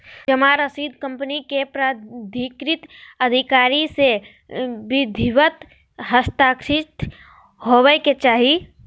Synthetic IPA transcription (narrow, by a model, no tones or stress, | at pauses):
d͡ʒɐmaɾəsiːd̪kə̃mpənikepɾad̪ʱikɾɪt̪ɐd̪ʱɪkaːɾise | bɪd̪ʱiʋət̪ | ɦəst̪aːkɾɪt̪ʰ | ɦoʋeket͡ʃaːɦi